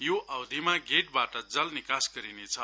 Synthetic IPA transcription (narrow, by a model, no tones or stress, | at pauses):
joʔawd̪ʱimaɡeʈ̚baʈʌd͡zʌlnikasɡʌɾinet͡sʰʌ